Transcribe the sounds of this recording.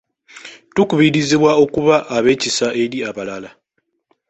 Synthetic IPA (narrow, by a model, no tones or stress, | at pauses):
tukuβiɾiziβwao̞kuβaʔːβe̞ːcisaʔe̞ɾiaβalala